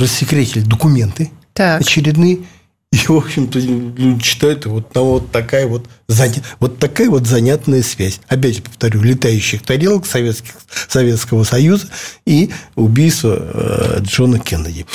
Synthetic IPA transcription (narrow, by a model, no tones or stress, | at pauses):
rəsʲːɪkɾʲetʲɪlʲɪd̪əkʊmʲe̞nt̪ɨt̪aɐt͡ɕɪɾʲɪd̪nɨjə | ivo̞pɕɪmt̪əlʲudʲɪt͡ɕːɪ̥t̪ajʊt̪vot̪nɐot̪ːɐkajəvo̞t̪zɐnʲavo̞t̪ːɐkajəvo̞t̪zɐnʲat̪nəjəsvʲæzʲɐpʲædʲʐəpə̥ft̪ɐɾʲulʲɪt̪ajʉɕːɪxt̪ɐɾʲelˠəksɐvʲet̪skʲɪ̥xsɐvʲet̪skəvəsɐjuzəiʊbʲijst̪və̰ | ʐo̞nəkʲenədʲɪ